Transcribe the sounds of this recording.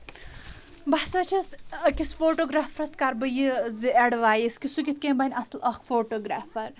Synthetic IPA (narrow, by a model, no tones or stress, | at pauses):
basɐt͡ʃʰɐskisfoːʈoːɡɾaːfɾɐskaɾbɐjizieɽʋaːjiskisuɡʲit̪̚ʰkʲẽːbɐnʲɐslɐkfoːʈoːɡɾaːfɐɾ